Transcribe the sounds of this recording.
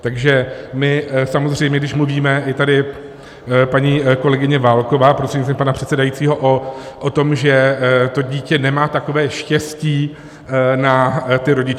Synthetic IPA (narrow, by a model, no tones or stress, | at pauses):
t̪aɡʒɛmɪsamo̞zr̝ɛjmɲɛɡdɪʃmluviːmɛʔɪt̪adɪ | paɲiːko̞lɛɡɪɲɛvaːlkovaːpɾor̥eɲisɛmpanapr̥ɛt̪sɛdajitt͡siːɦo̞ʔoʔot̪o̞mʒɛt̪o̞ɟiːcɛnɛmaːt̪ako̞vɛːʃcɛsciː | nat̪ɪɾo̞ɟɪt͡ʃ